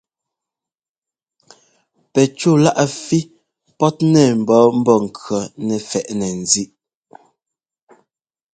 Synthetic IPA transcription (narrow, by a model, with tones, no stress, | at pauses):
pɛ˨t͡ʃu˦˨la˦ʔa˨fi˦ | pɔ˦t̚nɛ˨m̩˨bɔ˦m̩˦bɔ˦˨ŋ̩˨kɔ˨˦nɛ˨fɛ˨ʔnɛ˨n̩˨zi˦ʔ